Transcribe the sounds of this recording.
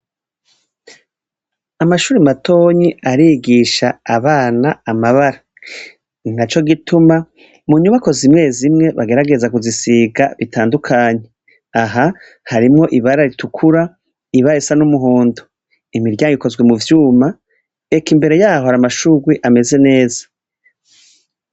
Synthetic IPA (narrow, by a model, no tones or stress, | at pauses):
amaʃuːɾimato̞ɲiaɾiːɡiʃaːβaːnaːmaβaɾa | nat͡ʃo̞ɡitʰuma | muɲuβako̞zimŋe̞ːzimŋe̞βaɡe̞ɾaɡe̞zakuzisiːɡaβitʰaːndukʰaːɲe̞ | aɦa | haɾimŋo̞ʔiβaɾaɾitʰukʰuɾa | iβaɾesanumuɦuːndo̥ | imiɾɟaːŋɡiko̞zwe̞muvjuːma | e̞kimbe̞ɾe̞jaːho̞haɾamaʃuɡwiʔame̞ze̞ne̞ːzḁ